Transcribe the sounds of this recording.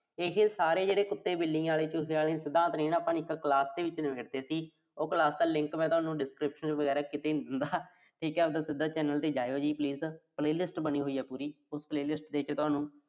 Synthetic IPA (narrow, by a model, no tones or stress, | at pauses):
ekʰesaːɾeːd͡ʒeːɽeːkʊt̪ːeːbɪlːɪ̃ŋɡaːleːt͡ʃʊɦaːlẽːsɪd̪ãːt̪ɾĩːnaːpãːnɪkːklaːsd̪eːʋɪt͡ʃnəʋeːd̪eːsiː | oːklaːsd̪aːlɪ̃ŋkmɛ̃ːt̪ʊɦaːnũːɖɪskɾɪpʃənt͡ʃʋəɡɛːɾaːkɪt̪eːɪnd̪aː | ʈʰiːkɛːəd̪aːsɪd̪aːt͡ʃɛːnəlt̪eːd͡ʒaːjoːd͡ʒiːpliːzpleːlɪsʈbəniːɦoːiːɦɛːpuːɾiː | ʊspleːlɪsʈd̪eːɪt͡ʃt̪ʊɦaːnũː